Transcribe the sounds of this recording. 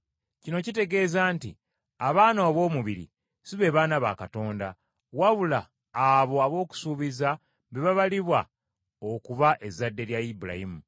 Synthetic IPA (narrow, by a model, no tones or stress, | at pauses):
cino̞cite̞ɡe̞ːzaːntḭ | aβaːnoːβo̞ːmuβiɾḭ | siβe̞βaːnaβa̰kato̞ːnda | waβulaː | βo̞aβo̞ːku̥suːβiza | βeβaβaliβwa | okuβaʔe̞zadːe̞ɾjaibula̰himu